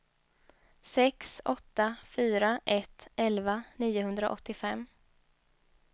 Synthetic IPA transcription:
sɛksɔt̪ːafyːɾaʔɛt̪ːɛlvaniːʊɦɵnd̪ɾaʔɔ̰t̪ːɪfɛmː

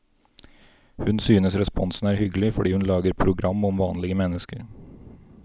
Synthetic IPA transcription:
hʉnsyːnəsɾɛspɔnsn̩æːɾhʏɡəlɪfɔɖiːhʉnlɑːɡəɾpʰɾʊɡɾɑmːɔmʋɑːnlɪɡəmɛnəskəɾ

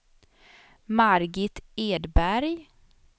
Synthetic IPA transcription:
maɾɡɪt̪eːd̪bæɾj

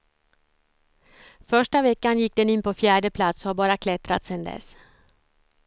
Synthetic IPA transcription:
fœʂʈavɛkːanjɪk̚ːd̪ɛnɪnːpʰɔfjæːɖəpʰlat̪sɔhabɑːɾakʰlɛt̪ɾa̰t̪sɛnd̪ɛ̰s

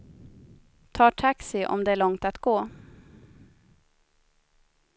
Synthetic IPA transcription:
t̪ʰɑːʈʰaksɪʔɔ̰md̪ɛæɭɔŋt̪at̪ɡ̥oː

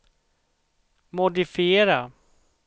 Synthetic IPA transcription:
mʊd̪ɪfɪeːɾa

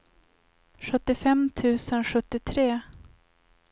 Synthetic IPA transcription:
ɧɵt̪ːɪfɛmt̪ʰʉ̟ːsənɧɵt̪ːɪt̪ʰɾeː

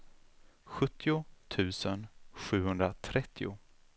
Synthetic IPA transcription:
ɧɵt̪ʰːɪʊt̪ʰʉ̟ːsənɧʉ̟ːhɵnd̪ɾat̪ʰɾɛt̪ʰːɪʊ̰

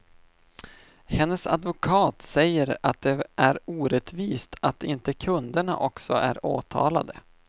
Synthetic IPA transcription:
hɛnːəsa̰d̪vʊkʰɑːt̪sɛjːəɾat̪̚d̪ɛʔæɾuːɾɛt̪viːst̪ʰat̪ɪnt̪əkʰɵnd̪əɳa̰ʔɔksɔʔæ̰ɾoːt̪ʰɑ̰ːla̰d̪ə

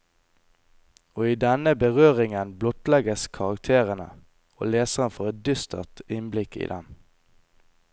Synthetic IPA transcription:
oːiːd̪ɛnəbəʁøːʁɪŋənblɔt̪lɛɡəskʰɑʁɑkt̪ʰeːʁənə̰ | o̰ːleːsəʁənfoːʁɛt̪̚d̪ʏst̪ə̰ʁt̪ɪnblɪkḭːd̪ɛn

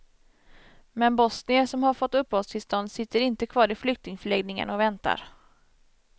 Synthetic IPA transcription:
mɛnbɔsnɪəsɔmhaɾfɔt̪ːɵpːhost̪ʰɪlst̪ɔnd̪sɪt̪ːəɾɪnt̪əkʰvɑːɾɪflʏk̚t̪ɪŋfœɭɛɡnɪŋə̰nɔvɛnt̪a̰ɾ

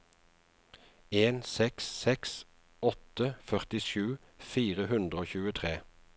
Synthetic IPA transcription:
eːnsɛkssɛks | ɔt̪əfœʁt̪ɪʃʉː | fiːʁəhʉnd̪ʁəoːçʉːət̪ʰʁeː

